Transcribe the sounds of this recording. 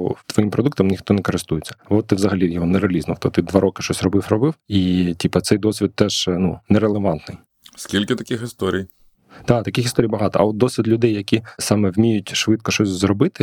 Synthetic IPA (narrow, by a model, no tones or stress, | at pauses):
t̪ʋɔjimpɾɔd̪ukt̪ɐmnʲixt̪ɔnɛkɔɾɪst̪ujet͡sʲːɐ̥bɔɔt̪ɪʋzɐɦɐlʲijɔɦɔneɾeɐlʲiznɐwt̪ɔt̪id̪ʋɑɾɔkɪ̥ʃt͡ʃɔsʲrɔbɪfrɔbɪwitʲipɐt̪sɛjd̪ɔsʲʋʲit̪̚t̪ɛʒ̥nunɛɾelˠeʋɑnt̪nɪj | skʲilʲkɪt̪ɐkʲixɪst̪ɔɾʲij | d̪̥ɑt̪ɐkʲɪxist̪ɔɾʲijbɐɦɑt̪ɔɐɔt̪̚d̪ɔsʲʋʲid̪lʲʊd̪ɛjːɐkʲisɑmɛwmʲijʊtʲʃʋɪt̪kɔʃt͡ʃɔsʲzrɔbɪt̪ɪ